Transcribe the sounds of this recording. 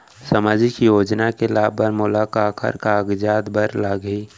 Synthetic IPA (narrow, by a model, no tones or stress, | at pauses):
səmaːd͡ʒikjoːd͡ʒnakelaːbəɾmʊlaːkaːkʰə̰ɾkaːɡd͡ʒaːd̪bəɾlaːɡiː